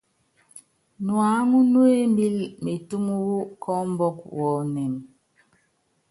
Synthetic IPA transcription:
nwa˨˦ŋu˦nu˦e˦mbi˦lme˨tu˦mu˦wu˦kʰɔ˦m˦bɔ˦k̚wɔ˨nɛ˨n

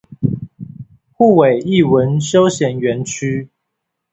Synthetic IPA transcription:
xu˥˨we˨˩ɪi˥˨wə˨˦nʂo˦ʊɕjɛ˨˧˦nɥɛ˨˦nt͡ʃʰy˦

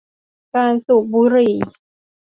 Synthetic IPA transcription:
kaː˧nsu˨˩k̚buː˧˦ɾiː˨˩

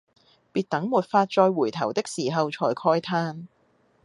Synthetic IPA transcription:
piː˧t̚t̪ɐ˨˥ŋmuː˨t̚faː˧t̚t͡ʃɔː˧jwuː˨˩jt̪ʰɐ̰˨˩wt̪ɪ˥k̚siː˨˩ɦɐ˨wt͡ʃʰɔː˨˩jkʰɔː˥jt̪ʰaː˥n

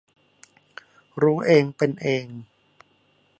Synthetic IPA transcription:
ɾuː˦˥ʔeː˧ŋpe˧nʔeː˧ŋ

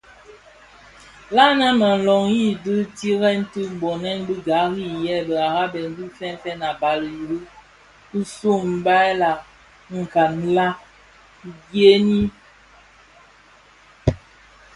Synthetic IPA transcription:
la˦na˦mə˨n̩˨lɔ˨ŋji˦dɨ˦ti˦ɣɛ˦n̩˦tɨ˦˨bɔ˨nɛ˦nbɨ˦ɡa˨˦ɣi˦˨jɛ˦˨bə˨a˨ɣa˦bɛ˨n˦di˦fɛ˦n˦fɛ˦na˨ba˨lji˨ɾɨ˦ | kɨ˦su˦˨m̩˦ba˦ɛ˦la˨ | ŋ̩˨ka˨n˦la˦ | ɡje˦ni˦

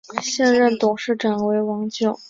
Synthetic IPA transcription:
ɕjɛ˥˧nɻə˥˩nt̪ʊ˨˩ŋʂɻ̩˥˩ʈ͡ʂa˨˩nwe˧˥ɪwɑ˧˥ŋt͡ɕjo˨˩˦ʊ

